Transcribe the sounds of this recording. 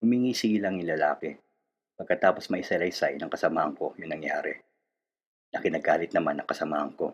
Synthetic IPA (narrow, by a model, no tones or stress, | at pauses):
hʊmiŋiːsɪlɐŋɪlɐla̰ːkɛ | pɐɡ̚kːɐt̪aːpo̞smɐʔɪsɐjlɐjsajnɐŋkɐsɐmaːhɐŋko̞jʊŋnɐŋjaːɾɛ̰ | nɐkɪnɐɡaːlɪt̪nɐmanːɐŋkɐsɐmaːhɐŋko̞̰